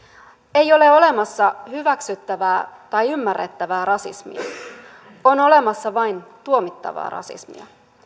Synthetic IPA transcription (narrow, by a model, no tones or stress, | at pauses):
e̞jo̞le̞o̞le̞mɑsːɑhyʋæksyt̪ːæʋæːt̪ɑjymːærːet̪ːæʋæːɾɑsḭsmḭɑ̰ | o̞no̞le̞mɑsːɑʋɑjnt̪uomit̪ːɑ̰ʋɑ̰ːrɑ̰sḭsmḭɑ̰